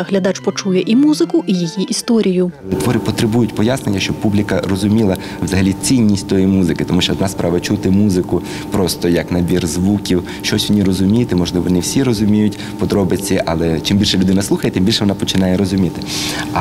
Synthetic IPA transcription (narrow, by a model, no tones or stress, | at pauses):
ɦlʲɐd̪ɑt͡ʃpɔt͡ʃujɛʔimuzɪkʊʔijijiʔist̪ɔɾʲijʊ | t̪ʋɔɾɪpɔt̪ɾebujʊtʲpɔjasnenʲːɐʃt͡ʃɔbpublʲikɐrɔzʊmʲilˠɐ | ʋzɐɦɐlʲit͡sʲinʲːisʲtʲt̪ɔjijmuzɪkɪt̪ɔmuʃt͡ʃɔɔd̪nɑspɾʔaʋɐt͡ʃut̪ɪmuzɪkʊ | pɾɔst̪ɔjɐknɐbʲirzʋukʲiw | ʃt͡ʃɔsʲʋɔnʲiɾɔzʊmʲijt̪ɪmɔʒlˠɪʋɔnɪwsʲiɾɔzʊmʲijʊtʲ | pɔd̪ɾɔbɪt͡sʲːɐʔɐlˠɛt͡ʃɪmbʲilʲʃɛlʲʊd̪ɪnɐslˠuxɐjɛt̪ɪmbilʲʃɛʋɔnapɔt͡ʃɪnɑjɛɾɔzʊmʲit̪ɪ̥